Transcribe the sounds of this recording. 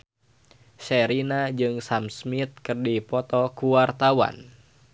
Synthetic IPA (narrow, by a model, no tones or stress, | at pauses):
sɛɾinad͡ʒɨŋsamsmit̪̚kɨrdipɔt̪ɔkuwart̪awa̰n